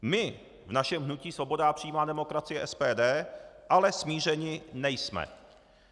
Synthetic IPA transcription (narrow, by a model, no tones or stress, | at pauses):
mɪ | vnaʃɛmɦnuciːsvo̞bo̞dapr̝̥ijiːmaːdɛmo̞kɾat͡sɪjɛʔɛspɛːdɛːʔalɛsmiːr̝ɛɲɪnɛjsmɛ̰